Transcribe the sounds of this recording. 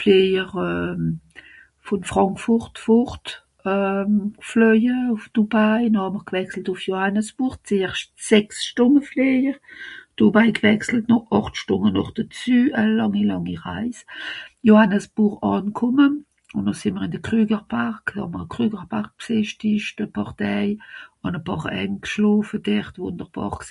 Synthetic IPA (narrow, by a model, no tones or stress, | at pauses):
fleːjəʁœm | fʊnfʁ̥ɑŋkfʊʁtfʊʁt | œmflœjəʊfd̥ubajnohɑməʁɡvɛksl̩tʊfjohanəsb̥uːʁt͡seːʁʃsɛksʃtʊnəfleːjəʁd̥obaɪɡvɛksl̩tnɔɑχtʃtʊŋənɔχd̥ət͡syːəlɑŋilɑŋiʁa̰ɪsjohanəsb̥uːʁɑːnkʰʊmən | ʊnnosɪnməʁɪndəkʁ̥yːɡəʁpʰaʁkhɑ̰məʁəkʁyːɡəʁpʰaʁk̚pseʃtɪʃtəpʰɑʁtɛɪʊnəpɑːʁɛ̰ŋkʃloːfəd̥ɛʁtvʊndəʁb̥ɑ̰ːʁks